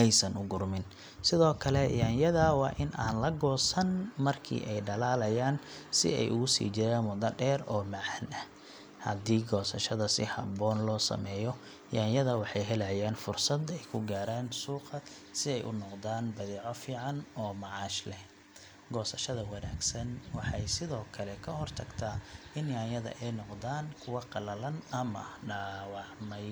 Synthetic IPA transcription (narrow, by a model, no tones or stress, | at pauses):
ɛjsɐnʊɡʊrmɪn | sɪðɔːkʰɐlɛjaːnjɐðɐwɑːʔɪnʔa̰ːnlɐɡɔːsɐnmɐrkʰḭːʔɛjɖɐlaːlɐjaːnsɪ̰ɛ̰jʔʊɣʊsḭːt͡ʃɪɾaːnmʊðɐɖɛːɾɔːmɑʕanɐh | hɐ̰d̪iːɡɔːsɐʃɐðɐsɪ̰hɑ̰bɔːnlɔːsɐ̰mɛːjɔ | jaːnjɐðɐwɑħɑjɦɛlɐjaːnfʊrsɐd̪ɛjkʰʊɡaːɾaːnsuːqɑ | sɪɛjʔʊ̰nɔqðaːnbɐðɛːʕɔfiːʕɑnɔːmɑʕɑːʃlɛ | ɡɔːsɐʃɐðɐwɑnaːɡsɐnwɑħɑ̰jsɪðɔːkʰɐlɛkʰɐhɔrt̪ʰɐɡt̪ʰaːɪnjaːnjɐðɐ̰ʔɛjnɔqd̪aːnkʰʊwɑqɑlɐlɐnɐmɐ̰ɖaːwɑʕmɐj